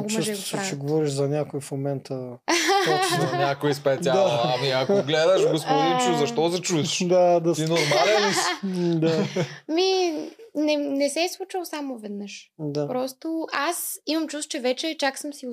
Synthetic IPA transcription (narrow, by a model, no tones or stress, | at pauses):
ɡt͡ʃɛsʒɛɡ̪sat͡ʃɛɡovɔɾiʃzɐnʲakoifmomɛnt̪ə | ɔnʲakoispɛt̪ʲad̪aamiɐkɡlɛd̪əʃɡospod̪it͡ʃuzɐʃt̪ɔzɐt͡ʃud̪ad̪ɐinoɾma | d̪ami | nɛnɛsɛslˠut͡ʃəlˠsamovɛd̪nəʃd̪apɾɔst̪oasimɐmt͡ʃust̪̚t͡ʃɛvɛt͡ʃɛt͡ʃaksəmsi